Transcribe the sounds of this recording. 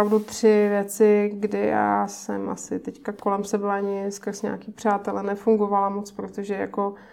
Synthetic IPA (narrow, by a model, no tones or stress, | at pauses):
avdut̪r̝̥ɪvjɛt͡sɪɡdɪja̰ːsɛ̰mʔa̰sɪt̪ɛckako̞lɛmsɛbaɲɪskrsɲa̰ːkiːpr̥aːt̪ɛlɛnɛfuŋɡo̞valamo̞t͡spɾot̪oʒɛja̰ko̞